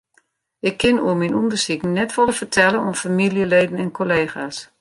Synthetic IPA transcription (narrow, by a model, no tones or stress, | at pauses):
ʔɪkʰːɪnṵəminundərsikn̩nːɛtʋɔləfərtʰɛlənufamiljəleːdn̩ɛnkʰoleːxas